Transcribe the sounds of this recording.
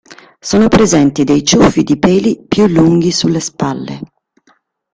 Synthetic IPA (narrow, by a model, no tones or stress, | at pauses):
soːnopɾezɛnt̪id̪ejt͡ʃufːid̪ipɛːlipjulːuŋɡisulːespalːḛ